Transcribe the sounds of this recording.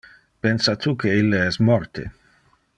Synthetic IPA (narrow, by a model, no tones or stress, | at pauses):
pensat̪ukeilːeɛsmɔɾt̪ḛ